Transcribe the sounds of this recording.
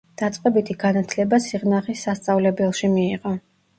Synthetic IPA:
d̪̥at̪sʼqʼɛbit̪ʰiɡ̥anat̪ʰlɛbasiʁnaχisːast̪sʼavlɛbɛlˠʃimiːʁɔ

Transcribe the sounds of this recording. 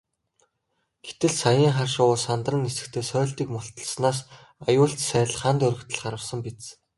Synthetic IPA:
ɡ̥e̥t̪ɘ̆ɮsajə̆ːŋχarʃʊːsant̪rə̆nesɘ̆k̚t̪ʰeːsœːɮt̪iːkmʊɬt̪ɞ̆ɮsnaːs | ajʊːɬt͡ɕsæːɮχaːnt̪ɵɾɵ̆kt̪ʰə̆ɮχaɾə̆wsə̆mpit͡s

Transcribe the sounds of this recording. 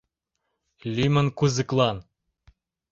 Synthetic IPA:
lʲymɘ̆nkuzɨ̆klˠɑn

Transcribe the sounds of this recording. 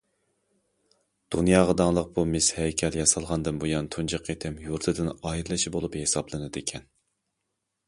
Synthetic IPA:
d̪̥unjɑːʁɑd̪ɑŋlˠəq̚bumɪshɛjkʲʰɛljɑsɑlˠʁɑnd̪ɨnbujɑnt̪ʰund͡ʒɨqʰet̪ʰɪmjuɾt̪ʰɨd̪ɨnɑjiɾɨlˠɨʃibolˠuphesɑblˠɨnɨd̪ɪkʲʰɛn

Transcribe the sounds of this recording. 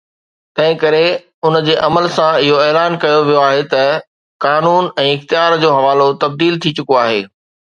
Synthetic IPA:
t̪ɐ̃ɦɪ̃kɐɾe | ʊnd͡ʑeːʔɐməlsãɪɦoeːlaːnkɐjoʋijoaːɦet̪ɐ | kaːnuːnɛ̃ːɪxt̪ijaːɾd͡ʑoːɦɐʋaːlot̪ɐb̚d̪iːlt̪ʰit͡ɕʊkoaːɦeː

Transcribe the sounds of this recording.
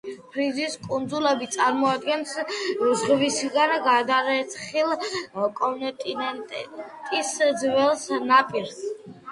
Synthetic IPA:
pʰɾiziskʼund̪zulɛbit̪sʼaɾmɔad̪̚ɡɛnszʁvisɡanɡad̪aɾɛt̪sχilˠkʼɔnt̪ʼinɛnt̪ʼt̪ʼisd̪zvɛlˠsnapʼiɾs

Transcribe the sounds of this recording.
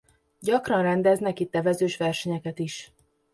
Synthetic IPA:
ɟɒkrɒnrɛnd̪ɛznɛkit̪ːɛvɛzøːʃʋɛrʃɛɲɛkɛt̪iʃ

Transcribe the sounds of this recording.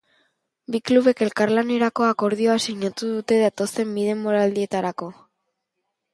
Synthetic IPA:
bikluβe̞ke̞lkaɾlane̞ɾako̞ako̞ɾð̞io̞asiɲat̪uðut̪e̞ðat̪o̞st̪e̞mbiðe̞mːoɾald̪ie̞t̪aɾako̞

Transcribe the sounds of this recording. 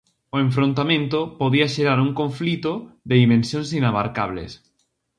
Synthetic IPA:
oẽɱfɾõnt̪amẽnt̪opoðiaʃeɾaɾuŋkõɱflit̪oðeðimẽnsjõnsinaβaɾka̰β̞lḛs

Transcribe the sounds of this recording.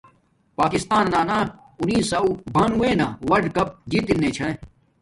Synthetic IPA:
paːkɪst̪aːnːaːnaː | unĩːsaːwbʱɐnuẽːnaːʋɐɾɖkɐp̚d͡ʑit̪inːẽːt͡ɕʰɐ̃

